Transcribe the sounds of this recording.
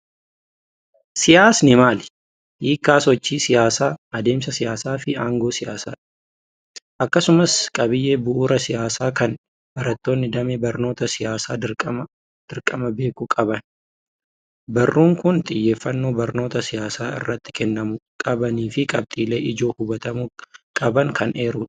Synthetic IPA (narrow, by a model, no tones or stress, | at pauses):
sɪjaːsnɪmaːlɪ | hiːkːaːsɔt͡ʃːiːsɪjaːsaːɐd̪e̞ːmsɐsɪjaːsaːfɪaːŋɡo̞ːsɪjaːsa̰ːᶑ̥ | ʔɐkːɐsʊmɐskʼɐbɪjːeːbʊʔuːɾɐsɪjaːsaːkɐn | bɐɾɐt̪ːo̞ːnːɪd̪ɐmeːbɐɾno̞ːt̪ɐsɪjaːsaːɐ | d̪̥ɪɾkʼɐmɐbe̞ːkukʼɐbɐn | bɐrːuːŋkʊnt̪ʼɪjːe̞ːfːɐnːo̞ːbɐɾno̞ːt̪ɐsɪjaːsaːɪ̰rːɐt̪ːɪ̥kɛnːɐmʊkʼɐbɐniːfɪkʼɐb̚t̪ʼiːle̞ːʔɪd͡ʒo̞ːhʊbɐt̪ɐmukʼɐbɐŋkɐnʔeːɾʊᶑ